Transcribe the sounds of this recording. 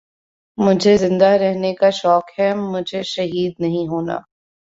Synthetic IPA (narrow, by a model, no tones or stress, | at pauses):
mʊd͡ʒʱezɪ̃nd̪aɾɛɦnekaʃɔːkhɛmʊd͡ʒʱeʃɐɦiːd̪nɐɦĩɦoːna̰ː